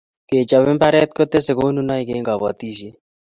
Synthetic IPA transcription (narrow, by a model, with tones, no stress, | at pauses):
ke˨t͡ʃa˨βɪ˦mpa˦ɾɛ˦t̪̚ko˦t̪e˦se˨ko˦nu˦na˦i˦ke˨˦ŋɡa˨βa̰˨t̪i˦ʃi˦